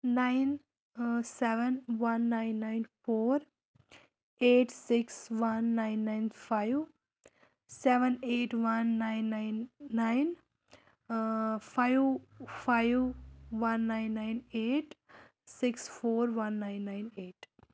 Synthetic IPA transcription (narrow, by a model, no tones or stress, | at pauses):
naɪn | seʋənʋɐnːaɪ̃nːaɪnfoːɾ | eːʈsɪksʋɐnːaɪ̃nːaɪnpʰaɪʋ | seʋə̃neːʈʋɐnːaɪ̃nːaɪnːaɪn | pʰaɪʋfʰaɪʋʋɐnːaɪnːaɪneːʈ | sɪksfoːɾʋɐ̃nːaɪ̃nːaɪneːʈ